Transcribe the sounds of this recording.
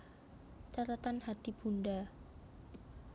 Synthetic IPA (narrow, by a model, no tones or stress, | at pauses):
t͡ʃat̪at̪anhat̪ib̥unɖa